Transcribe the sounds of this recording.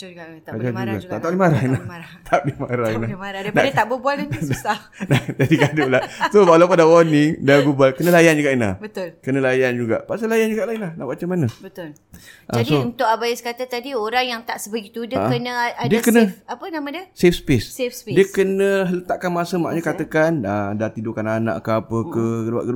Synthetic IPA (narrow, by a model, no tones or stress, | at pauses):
ad͡ʒad͡ʒuɡat̪aʔt̪aʔlimaɾainlaht̪ʰaʔdimaɾainamaɾanaət̪abubual | nad͡ʒadikadʊʔlahsowalapandawanidaɡubalkənəlajand͡ʒuɡaʔinla̰hbət̪ʊlkənə̃lajand͡ʒuɡa̰ʔpasalajand͡ʒuɡaʔlaɪnlahna̰ʔbat͡ʃamanəbət̪ʊl | ʔə̰d͡ʒadiount̪ʊkabajiskat̪at̪adioɾaŋjaŋt̪aʔsəbəɡit̪udəkənə̃adiəkənəapənamãdiəsefspɪssefsdiəkənə̃ɦələt̪aʔkanmasəma̰ʔɲəkat̪əkanədat̪idokanana̰ʔkəapəkəəa̰ʔkə